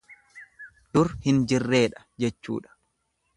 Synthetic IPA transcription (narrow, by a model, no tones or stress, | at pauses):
d̪̥ʊɾhɪnd͡ʒɪrːe̞ːᶑɐ̥ | d͡ʒɛt͡ʃːṵːᶑɐ̥